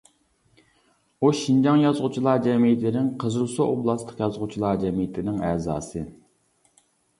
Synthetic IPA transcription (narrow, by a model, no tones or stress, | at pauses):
uʃind͡ʒɑŋjɑzʁʊt͡ʃʰilˠɑd͡ʒɛmijɪt̪lɪnɪŋqʰəzɨlˠsooblˠɑst̪ə̥qjɑzʁʊt͡ʃʰilˠɑd͡ʒɛmijɪt̪lɪnɪŋɛzɑ̰ːsɨ